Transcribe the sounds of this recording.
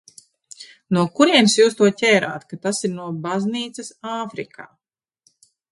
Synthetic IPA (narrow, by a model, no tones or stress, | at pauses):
nuɔkuɾiɛnsjuːst̪uɔcʲɛːɾa̰ːt̪kat̪asiɾnuɔbazniːt̪sesaːfɾikʰa̰ː